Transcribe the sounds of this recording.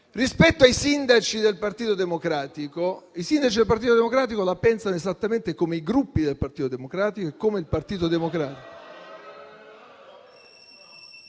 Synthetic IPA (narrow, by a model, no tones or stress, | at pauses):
rispɛt̪ːoajsind̪at͡ʃid̪elpart̪iːt̪od̪emokɾaːt̪ikoisind̪at͡ʃid̪elpaɾt̪̬iːt̪od̪emokɾaːt̪̬ikolapɛnsanoezat̪ːament̪ekomeiɡɾupːid̪elpart̪iːt̪od̪emokɾaːt̪ikoekːomeilpart̪iːt̪od̪emokɾaːt̪iko